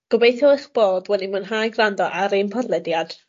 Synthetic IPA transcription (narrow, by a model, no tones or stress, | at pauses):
ɡ̥ɔbejθjɔɪχb̥oːdwɛnimənɦajɡrandɔʔaɾɪmpʰɔdlˠɛdjad̥